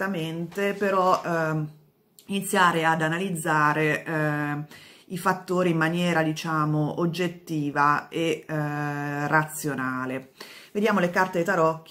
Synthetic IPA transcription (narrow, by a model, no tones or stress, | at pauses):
ament̪epeɾɔ | init̪sːjaːɾead̪analid̪zːaːɾe | ifat̪ːoːɾiːmːanjɛːɾad̪it͡ʃaːmoʔod͡ʒːet̪ːiːvae | rat̪sjonaːleved̪jaːmolekart̪et̪aɾɔkː